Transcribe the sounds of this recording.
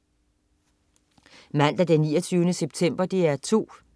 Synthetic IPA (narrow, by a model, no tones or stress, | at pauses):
mæn̰d̥ɐd̥enːiːɐt͡sʰyːʊnəseb̥t͡sʰem̰b̥ɐd̥iæɐt͡sʰo̝̰ː